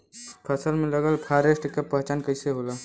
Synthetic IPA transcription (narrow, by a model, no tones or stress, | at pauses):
pʰəsəlmẽləɡəlpʰaːɾesʈkəpəɦt͡ʃaːnkəɪseɦoːlaː